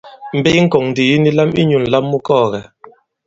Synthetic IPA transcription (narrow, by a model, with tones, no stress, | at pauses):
m̩˨be˦ŋ̩˦kɔ˨ŋn̩˨di˨ji˦ni˦la˦mi˦ɲu˨n̩˨la˦mːu˦kɔː˦˨ɣɛ˨